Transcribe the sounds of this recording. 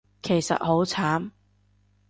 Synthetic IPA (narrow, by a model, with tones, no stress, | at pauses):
kʰe˨˩jsɐ̰˨t̚ho˨˥wt͡sʰaː˨˥m